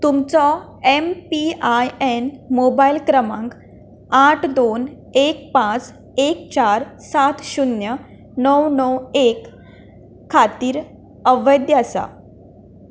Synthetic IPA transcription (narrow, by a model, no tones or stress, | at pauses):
t̪umt͡sɔ | empiajenmobailkɾəmãŋk | aʈʰd̪on | ek̚pãt͡s | ekt͡ɕaɾsat̪ʰɕunjə | nəwnəwekʰː | at̪iːɾ | əʋəjd̪jasa̰